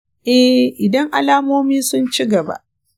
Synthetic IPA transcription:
ʔɛ˦hʔɪ˨dɐ˦ŋʔa˨laː˦moː˦miː˦sʊ˦nt͡ʃi˦ɡɐ˨ba̰˦ʔ

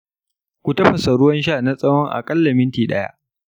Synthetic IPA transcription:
kʷu˨tɐ˦ɸɐ˨sɐ˨ɽʊ˦wɐ˦nʃ̬aː˦˨na˦sʼɐ˦wɔ˦ŋʔa̰˨kʼɐ˦lːɐ˨mɪ˦ntiː˨ɗɐ˦ja̰˦ʔ

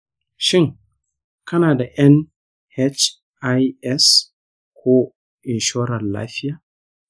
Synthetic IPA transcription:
ʃɪ˦ŋ | kɐ˦naː˨da˨ʔɐ˦n | he˦t͡ʃ | ʔa˦jɛ˦s | kʰʷoː˦ | ʔɪ˨nʃɔː˦ɾɐ˨nla̰ː˦ɸɪ˦jaː˨

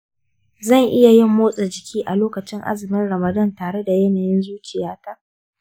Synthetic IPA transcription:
zɐ˦˨ŋʔɪ˦ja˨jɪ˦˨mːoː˦sʼɐ˨d͡ʒɪ˨kʲʰiː˦ʔa˨loː˦kɐ˨t͡ʃɪ˦ŋʔa̰˦zɪ˨mɪ˦nɽɐ˨mɐ˨dɐ˦ntaː˨ɽe˦da˨jɛ˦naː˨jɪ˦nzuː˦t͡ʃɪ˨jaː˦ta˦ʔ

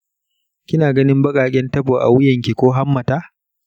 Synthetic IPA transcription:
kʲɪ˦naː˨ɡɐ˦nɪ˦mbɐ˦kʼaː˨kʲʼɛ˦ntɐ˦ɸoː˨ʔa̰˨wʊ˦jɐ˨ŋkʲi˨kʷoː˦ɦa˦mːɐ˨taː˦

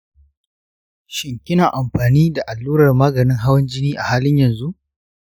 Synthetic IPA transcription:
ʃɪ˨ŋkʲɪ˦naː˨ʔa˨mɸaː˨niː˦da˨ʔa˨lːuː˦ɾɐ˨rmaː˦ɡɐ˨nɪ˦ŋɦa˦wɐ˦nd͡ʒɪ˦niː˦ʔa˨haː˦lɪ˦ɲjɐ˨nzu˦ʔ

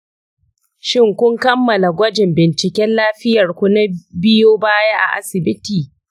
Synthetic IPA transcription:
ʃɪ˦˨ŋkʷʊ˦ŋkɐ˦mːɐ˨la˨ɡʷɐ˦d͡ʒɪ˨mbɪ˨nt͡ʃɪ˨kʲɛ˦nlaː˦ɸɪ˦jɐ˨rkʷʊ˦na˦bɪ˦joː˦baː˦ja˦ʔa̰˨ʔa̰˦sɪ˨bɪ˦tiː˨

